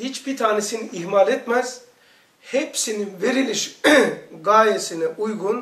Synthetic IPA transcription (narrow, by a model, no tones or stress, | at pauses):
hit͡ʃbit̪ʰaːnesiniʔihmalʲet̪mæz̥ | hepsininveɾilʲiʃ | ɡaːjesinɛʔujɡun